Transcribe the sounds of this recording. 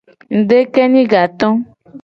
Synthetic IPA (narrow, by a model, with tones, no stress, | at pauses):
ŋ̩˨ɖe˦kɛ˦nĩ˦ɡa˨t̪ɔ̃˦